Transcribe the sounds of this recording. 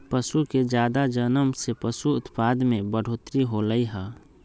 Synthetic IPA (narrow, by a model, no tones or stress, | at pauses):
pəʃuked͡ʒjaːd̪ad͡ʒənəmsepəʃuʊt̪pad̪mẽbəɽ̤oːt̪ɾiɦoləiɦə